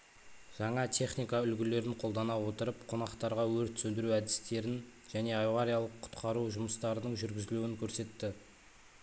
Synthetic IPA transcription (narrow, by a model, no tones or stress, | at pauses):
ʒ̥ɑɴɑt̪ʲʰe̞χnijkɑʏlɡʲɪle̞ɾɪɴqʰo̞lˠd̪ɑnɑwo̞t̪əɾəpqʰo̞nɑqt̪ɑɾʁɑwɵɾt̪sɵnd̪ɪɾuæd̪ɪ̥st̪e̞ɾɪn | ʒæne̞ɑjʁɑɾijɑlˠəqʰːʊ̥t̪qʰɑɾuwʒʊməst̪ɑɾənəɴʒʏɾɡʲɪzɪluwɪŋkʲʰɵɾse̞t̪ːɪ